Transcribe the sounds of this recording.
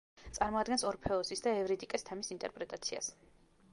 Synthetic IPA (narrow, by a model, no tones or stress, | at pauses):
t̪sʼaɾmɔad̪ɡɛnsɔɾpʰɛɔsisd̪aɛvɾid̪ikʼɛst̪ʰɛmisint̪ʼɛ̰ɾpʼɾɛt̪ʼat̪sʰia̰s